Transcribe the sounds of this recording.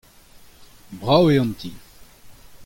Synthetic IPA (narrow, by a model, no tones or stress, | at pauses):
bʁaweɑ̃nt̪i